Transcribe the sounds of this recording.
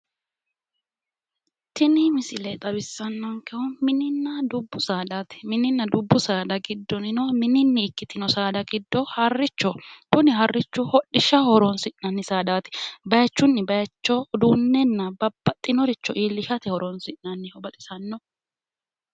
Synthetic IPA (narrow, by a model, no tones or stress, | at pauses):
t̪ɪnɪmɪsɪlɛt̪ʼɐbɪsːɐnːɔŋkɛʊmɪnɪnːɐd̪ʊbːʊsaːd̪aːt̪ɪ̥mɪnɪnːɐd̪ʊbːʊsaːd̪ɐɡɪd̪ːɔnɪnɔmɪnɪnːɛɪkːɪt̪ɪnɔsaːd̪ɐɡɪd̪ːɔhɐrːɪt͡ʃːɔkʊnɪɦɐrːɪt͡ʃːʊhɔɗɪʃɐhɔɾɔnsɪʔnɐnːɪsaːd̪aːt̪ɪ̥bɐjɐt͡ʃːʊnːɪbɐjɐt͡ʃːɔd̪uːnːɛnːɐbɐbːɐt̪ʼːɪnɔɾɪt͡ʃːɔʔiːlːɪʃɐt̪ɛhɔɾɔnsɪʔnɐnːɪhɔbɐt̪ʼɪ̥sɐnːɔ